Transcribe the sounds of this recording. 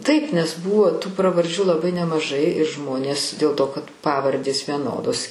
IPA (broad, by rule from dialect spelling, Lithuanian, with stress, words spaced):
tɐɪp nʲɛs ˈbuːʋoː tuː prɐʋɐrʲˈd͡ʒʲuː lˠɐˈbɐɪ nʲɛmɐˈʒɐɪ ɪr ˈʒmoːnʲeːs dʲeːlˠ ˈtoː kɐt ˈpɑːʋɐrʲdʲeːs ʋʲiɛˈnoːdoːs